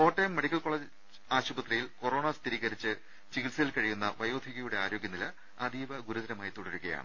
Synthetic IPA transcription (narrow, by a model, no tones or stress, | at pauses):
o̞ːʈːɐjmːeɽikʲːɐlkoɭɐd͡ʑ | aːɕubɐt̪rijilko̞ro̞ːɳɐst̪ʰiɾiːɣɐɾit͡ɕːɨ | t͡ɕiɡiʈsɐjilkɐɻijunːɐʋɐjo̞ːd̪ʱiɣɐjuɽe̞aːɾo̞ːɡʲjɐnilɐ | ɐd̪iːʋɐɡuɾuðɐɾɐmaːjit̪oɽiɾuɣɐja̰ːɳɨ